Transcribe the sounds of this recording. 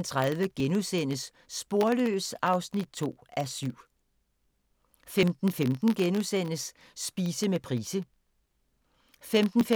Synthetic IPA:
nt͡sʰʁaðˠʋəɡ̥enusen̰əsː | b̥o̝ɐlø̰ːsɑ̈ʊsnid̥̚t͡sʰo̝̰ːæsyʊ̰ | femd̥n̩femd̥n̩ɡ̥enusen̰əsː | b̥iːsəmepʰʁiːsə | femd̥n̩f

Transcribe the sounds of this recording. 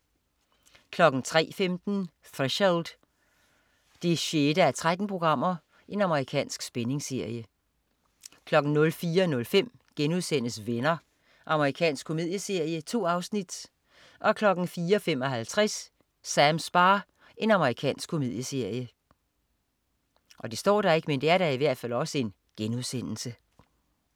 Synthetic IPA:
kʰlɒ̽ɡ̥n̩t͡sʰʁɛ̰ːfemd̥n̩ | θʁɛɕeld̥ | d̥e̝ɕed̥əæɐt͡sʰʁad̥n̩pʰʁo̝ɡ̥ʁɑ̈m̰ɐ | ʔe̝nɑ̈məʁikʰɛ̰ːnsɡ̥sb̥ene̝ŋse̝ɐ̰jə | kʰlɒ̽ɡ̥n̩nɔ̽lfiːɐnɔ̽lfem̰ɡ̥enuðˠsen̰əsʋenɐ | ʔɑ̈məʁikʰɛ̰ːnsɡ̥̚ʰo̝meið̰ˠjəse̝ɐ̰jət͡sʰo̝̰ːɑ̈ʊsnid̥ | ʔɒ̽kʰlɒ̽ɡ̥n̩fiːɐɒfem̰ɒ̽ɦælt͡sʰʁasː | æmsb̥ɑ̈ː | e̝nɑ̈məʁikʰɛ̰ːnsɡ̥kʰːo̝me̝ð̰ˠjəse̝ɐ̰jə | ʔɒ̽d̥e̝sd̥ɒ̰ːɾ̥ɑ̈e̝ɡ̥mend̥e̝æɐɾɑ̈iʋæɐd̥fælɒ̽səe̝n | ɡ̥enuðˠsen̰l̩sə

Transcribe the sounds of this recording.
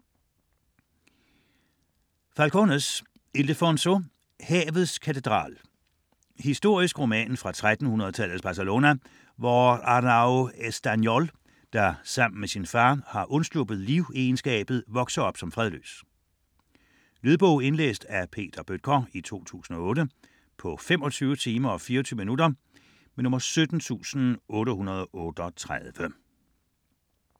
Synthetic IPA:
fælkʰonəs | e̝lefonso̝ | hɛːʋð̞̩ˠskʰæt͡sʰe̝d̥ʁɑ̰̈ːl | hisd̥o̝ɐ̰isɡ̥ʁo̝mɛ̰ːnfʁɑ̈t͡sʰʁad̥n̩hunɐð̩ˠət͡sʰæl̰ð̩ˠsb̥ɑ̈sælo̝næ | ʋɒɑnɑʊesd̥ænjɒl | d̥ɑ̈sɑ̈m̰n̩mesinfɑ̈ːhɑ̈ʔɔ̽nslob̥ð̞̩ˠliʊeːnsɡ̥ɛ̰ːb̥ð̞̩ˠʋɒ̽ɡ̥sɐɒ̽b̥sɒ̽mfʁɛð̞ˠlø̰ːs | lyðˠb̥ɔʊe̝nlḛːsd̥æpʰe̝̰ːd̥ɐb̥ød̥̚kʰɒit͡sʰo̝̰ːt͡sʰṵːsn̩ɒ̽ɔ̽ːɾə | pʰɒ̽femɒ̽t͡sʰyːʊət͡sʰiːmɐɒ̽fiːɐt͡sʰyːʊminudɐ | menɔ̽mɐsød̥n̩t͡sʰṵːsn̩ɔ̽ːɾəhunɐð̞ˠɒʔɔ̽ːd̥ɒt͡sʰʁaðˠʋə

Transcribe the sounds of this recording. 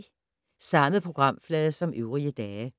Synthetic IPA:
sɑ̈məð̩ˠpʰʁo̝ɡ̥ʁɑ̈m̰flɛːðˠsɒ̽mʔøʊʁiəd̥ɛː

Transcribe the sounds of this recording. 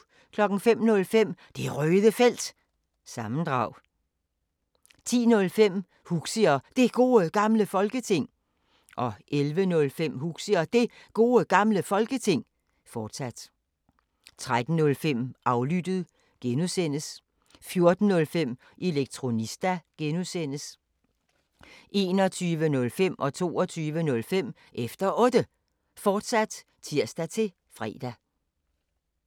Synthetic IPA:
kʰlɒ̽ɡ̥n̩fem̰nɔ̽lfem̰d̥e̝ʁœːðˠəfel̰d̥ | sɑ̈mn̩d̥ʁɑ̈ʊ̰ | t͡sʰḭːnɔ̽lfem̰ | huɡ̥siɐd̥e̝ɡ̥o̝̰ːəɡ̥ɑ̈mləfɒ̽lɡ̥ət͡sʰe̝ŋ̰ | ʔɒ̽ʔelʋənɔ̽lfem̰huɡ̥siɐd̥e̝ɡ̥o̝ːəɡ̥ɑ̈mləfɒ̽lɡ̥ət͡sʰe̝ŋ̰ | fɒːd̥sæd̥ | t͡sʰʁad̥n̩nɔ̽lfem̰ʔɑ̈ʊlyd̥əð̩ˠ | ɡ̥enusen̰əs | fjo̝ɐd̥n̩nɔ̽lfem̰ | ʔe̝leɡ̥̚t͡sʰʁo̝nisd̥æɡ̥enusen̰əs | ʔe̝ːnɒ̽t͡sʰyːʋənɔ̽lfem̰ʔɒ̽t͡sʰo̝̰ːɒt͡sʰyːʋənɔ̽lfem̰ | ʔefd̥ɐʔɔ̽d̥ə | fɒːd̥sæd̥ | t͡sʰiɐ̰sd̥æt͡sʰe̝ | fʁɛ̰ːd̥æ

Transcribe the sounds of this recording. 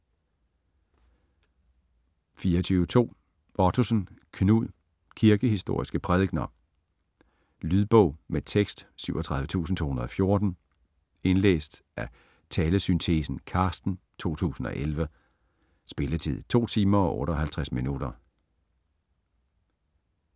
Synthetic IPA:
fiːɐɒt͡sʰyːʊət͡sʰo̝̰ː | ʔɒt͡sʰusn̩kʰnuð̰ˠ | kʰiɐɡ̥əhisd̥o̝ɐ̰isɡ̥əpʰʁɛð̞ˠɡ̥nɐ | lyðˠb̥ɔʊmet͡sʰeɡ̥sd̥syʊ̰ɒt͡sʰʁɑ̈ðˠʋət͡sʰṵːsn̩t͡sʰo̝ːhunɐð̩ˠɒ̽fjo̝ɐd̥n̩ | e̝nlḛːsd̥ʔæ | t͡sʰɛːləsynt͡sʰesn̩kʰɑ̈ːsd̥n̩ | t͡sʰo̝̰ːt͡sʰṵːsn̩ɒ̽ʔelʋə | sb̥e̝lət͡sʰið̰ˠt͡sʰo̝̰ːt͡sʰiːmɐɒ̽ʔɔ̰ːɾəɒ̽hælt͡sʰʁasminud̥ɐ

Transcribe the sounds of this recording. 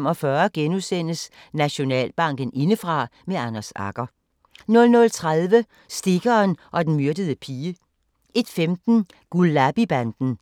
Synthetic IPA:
mɒ̽fɶːɐɡ̥enusen̰əs | næɕo̝nɛ̰ːlb̥ɑ̈ŋ̰ɡ̥ən̩e̝nəfʁɑ̈meɑnɐsɑ̈ɡ̥ɐ | nɔ̽lnɔ̽lt͡sʰʁað̞ˠʋə | sd̥e̝ɡ̥ɐːnʔɒ̽d̥enmyɐd̥əð̞ˠəpʰiːə | e̝d̥femd̥n̩ | ɡ̥ulːæb̥ib̥ænd̥n̩

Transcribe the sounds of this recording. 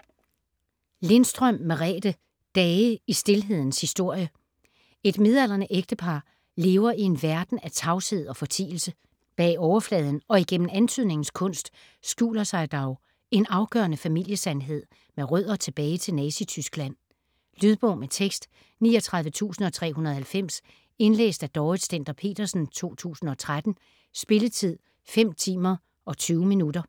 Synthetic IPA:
le̝nsd̥ʁœm̰ːeʁɛ̰ːd̥ə | d̥ɛːəisd̥e̝lɦe̝ð̰ˠn̩shisd̥o̝ɐ̰jə | e̝d̥me̝ð̞ˠæl̰ɐnəʔeɡ̥d̥əpʰɑ̈ː | le̝ːʊɐie̝nʋæɐd̥n̩æt͡sʰɑ̈ʊshe̝ð̞̰ˠɒ̽fɒ̽t͡sʰḭːl̩sə | b̥ɛ̰ːɒʊɐflɛːð̞ˠn̩ɒ̽iɡ̥en̰m̩ænt͡sʰyð̞̰ˠne̝ŋn̩skʰɔ̽n̰sd̥ | sɡ̥ṵːlɐsɑ̈ɪd̥ɑʊ | e̝nɑ̈ʊɡ̥œɐnəfæmil̰jəsænɦe̝ð̞̰ˠ | meʁœð̰ˠɐt͡sʰe̝b̥ɛːɪt͡sʰe̝lnɛːsit͡sʰysɡ̥læn̰ | lyðˠb̥ɔʊmet͡sʰeɡ̥sd̥ | niːɒt͡sʰʁɑ̈ð̞ˠʋət͡sʰṵːsn̩ɒ̽t͡sʰʁɛ̰ːɦunɐðˠhælfem̰s | e̝nlḛːsd̥æd̥ɒːð̩ˠsd̥en̰d̥ɐpʰe̝̰ːd̥ɐsn̩t͡sʰo̝̰ːt͡sʰṵːsn̩ɒ̽t͡sʰʁad̥n̩ | sb̥e̝lət͡sʰið̞̰ˠ | fem̰t͡sʰḭːmɐ | ɒ̽t͡sʰyːʊminudɐ

